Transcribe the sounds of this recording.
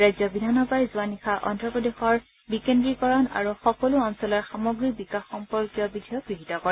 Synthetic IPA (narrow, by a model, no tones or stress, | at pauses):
ɹajzɔbidʱanɔbajzuanixaʔɔ̰ndɹɔpɹɔdexɔɹ | bikendɹikɔɹɔna̰ɹuxɔkɔluɔnsɔlɔɹxamɔɡɹikbikaxːɔmpɔɹkjɔbidʱijɔɡɹiɦitɔkɔɹɛ